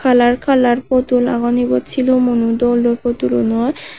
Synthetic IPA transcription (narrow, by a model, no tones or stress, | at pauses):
kʰalaɾkʰalaɾpot̪ula̰ɡɔnibɔt̪t͡ɕʰilomunud̪ɔloɾpot̪ulo̰nɔj